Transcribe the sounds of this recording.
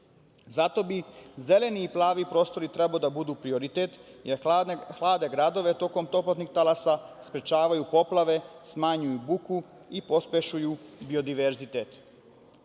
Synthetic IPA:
zat̪o̞bize̞le̞niːplˠaːʋipɾo̞ːst̪o̞ɾit̪ɾe̞baod̪abud̪uːpɾio̞ɾit̪et̪jeɾxlˠaːd̪e̞ɡɾad̪o̞ʋe̞t̪o̞ko̞mt̪o̞plot̪nixt̪alasaspɾet͡ʃaːʋajupo̞plˠaʋe̞smaɲujubuku | ipo̞spʲjeʃujubio̞d̪iʋeɾzit̪et̪

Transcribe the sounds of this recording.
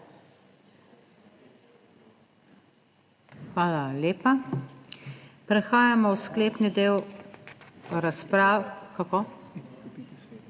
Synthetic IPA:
xʋaːlalʲeːpa | pɾɛxaːjamɔwskleːpnid̪eːw | ɾaspɾaːkako

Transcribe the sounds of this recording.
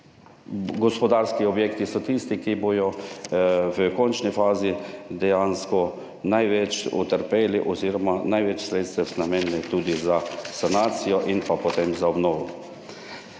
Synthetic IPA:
ɡɔspɔd̪aɾskiɔbjeːkt̪isɔt̪ist̪ikibojɔ | ʋəkɔnt͡ʃnifaːzid̪ɛjanskɔ | najʋɛt͡ʃṵt̪əɾpeːliʔɔziːɾɔmanajʋɛt͡ʃsɾeːt̪st̪ʋɛznamɛnnɛt̪uːd̪izasanaːt̪sijɔʔinpapɔt̪emzaɔbnɔːʋɔ

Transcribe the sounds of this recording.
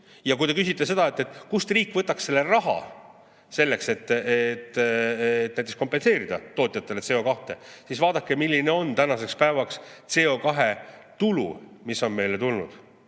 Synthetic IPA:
jɑkujt̪e̞kysʲit̪ˑːe̞se̞d̪ɑe̞t̪ːˑe̞t̪ːˑkust̪riːkːˑvɤt̪ːˑɑksse̞lːerɑɦɑ̰ | se̞lːe̞kse̞t̪ːˑet̪ːet̪næjt̪eksko̞mpːˑe̞nse̞ːɾid̪̥ɑ̰t̪o̞ːt̪ːˑjɑt̪ːˑe̞lese̞ːo̞kɑht̪e̞̰sisvɑːd̪ɑkːe̞milʲːine̞o̞nt̪ænɑse̞kspæevɑkst̪se̞ːo̞kɑɦe̞t̪ulṵmisːo̞nme̞jle̞t̪ulnṵd̪̥

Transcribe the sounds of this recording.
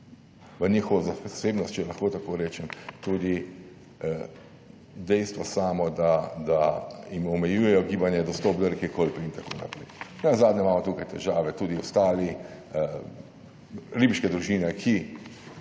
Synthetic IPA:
ʋənʲixɔʋazaseːbnɔst̪̚t͡ʃɛlɐxkoːt̪akoːɾeːt͡ʃɛmt̪uːd̪i | d̪ɛjst̪ʋasaːmɔd̪ad̪aimɔmɛjuːjɛjɔɡiːbanjɛd̪ɔst̪ɔːp̚d̪ɔɾɛkekolpiint̪ako̰ːna̰pɾɛjnɛnazaːd̪nʲɛmaːmɔt̪uːkajt̪ɛʒaːʋɛt̪uːd̪iɔst̪aːli | ɾiːbiʃkɛd̪ɾuʒiːnɛkʰi

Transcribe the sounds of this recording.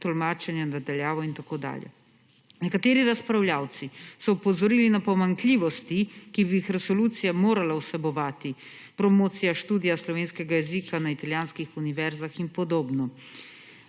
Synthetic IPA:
t̪ɔlmaːt͡ʃɛnjanad̪aljaːʋɔint̪akoːd̪a̰ːljɛ̰ | nɛkat̪eːɾiɾaspɾawljaːwt̪sisɔupɔzɔɾiːlinapɔmaŋkliːʋɔst̪ikibijixɾɛsɔluːt̪sijamoːɾalausɛbɔʋaːt̪i | pɾɔmoːt̪sijaʃt̪uːd̪ijaslɔʋeːnskɛɡajɛzikanait̪aljaːnskixuniʋɛɾzaxinpɔd̪oːbnɔ

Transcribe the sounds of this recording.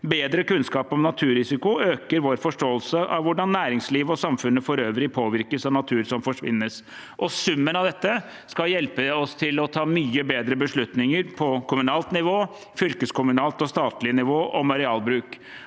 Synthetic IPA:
beːd̪ɾəkʉnskɑːpɔmnɑt̪ʰʉːɾɪsɪkʊøːkəɾʋoːɾfɔʂʈoːəlsəʔɑ̰ʋʋʊɖɑnːæːɾɪŋsliːʋɔsɑmfʉnːəfɔɾøːʋɾɪpʰoːʋɪɾkəsɑʋnɑt̪ʰʉːɾsɔmfɔʂʋɪ̰nːəs | ʔɔsʉmːənɑʋd̪ɛt̪ːə | skɑljɛlpəɔst̪ʰɪlɔt̪ʰɑːmyːəbeːd̪ɾəbəʂɭʉt̪nɪŋəɾpʰɔkʰʊmʉnɑːlt̪nɪʋoː | fʏlkəskʊmʉnɑːlt̪ɔst̪ɑːt̪lɪnɪʋoːʔɔmɑɾɪɑːlbɾʉːk

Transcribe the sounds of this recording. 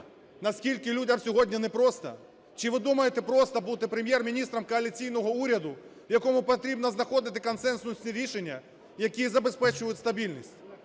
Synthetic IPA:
nɐskʲilʲkɪlʲudʲɐmsʲɔɦɔdʲnʲinɛpɾɔst̪ɐ̰ | t͡ʃɪʋɪd̪umɐjet̪ɛpɾɔst̪ɐbut̪ɪpɾemʲjɛrmʲinʲist̪ɾɐmkɔɐlʲit͡sʲijn̪ɔɦɔuɾʲɐd̪ʊʋjɐkɔmʊpɐt̪ɾʲibnɐznɐxɔd̪ɪt̪ɪkɐnsɛnsʊsʲnʲiɾʲiʃenʲːɐ | jɐkʲijɛzɐbe̞spɛt͡ʃʊjʊtʲst̪ɐbʲilʲnʲisʲtʲ

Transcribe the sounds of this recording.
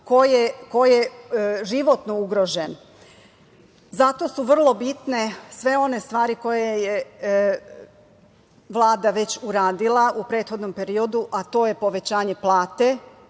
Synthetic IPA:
kojekojjeʒiʋo̞t̪nouɡɾo̞ʒen | zat̪o̞suʋr̩lˠo̞bit̪nesʋe̞o̞nest̪ʋaːɾiko̞jeje | ʋlˠaːd̪aʋe̞t͡ɕuɾaːd̪ilˠaʔupɾe̞ːt̪xo̞d̪no̞mpe̞ɾio̞d̪uʔat̪o̞ːje̞po̞ʋe̞t͡ɕaːɲe̞plˠaːt̪e̞

